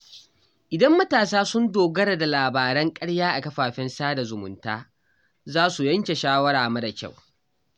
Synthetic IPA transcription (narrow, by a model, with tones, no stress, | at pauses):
ʔɪ˨dɐ˦mːɐ˦taː˨saː˦sʊ˦ndoː˨ɡɐ˦ɽa˨da˨laː˨baː˨ɾɐ˦ŋkʼɐ˦ɽjaː˦ʔa˨kɐ˦ɸaː˨ɸɪ˦nsaː˦da˨zʊ˨mʊ̰˨ntaː˦ | zaː˦su˨jɐ˦ŋkʲe˨ʃaː˦wɐ˦ɽaː˨mɐ˦da˨kʲa̰˦˨w